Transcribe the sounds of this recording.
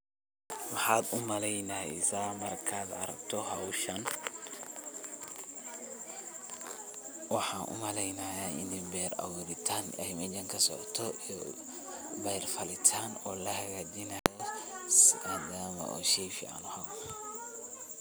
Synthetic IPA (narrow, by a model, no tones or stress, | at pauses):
mɑħɑːd̪ʊmɐlɛjnaːɪ̰saːmɐrkʰaːd̪ɐ̰ɾɐkt̪ʰɔhɐwʃɐn | wɑħɑːnʔʊ̰mɐlɛjnɐjaːɪ̰nɪmbɛːrɐ̰wʊːɾɪt̪ʰaːnɐɪmɐd͡ʒɐŋkʰɐsɔʕt̪ʰɔʔi | bɛjrfɐlɪt̪ʰaːnɔːlɐhɐɣaːd̪ɪnɐjɔ | ad̪aːmɐ̰ʔɔ̰ːʃɛjfɪa̰ːnʊhɐw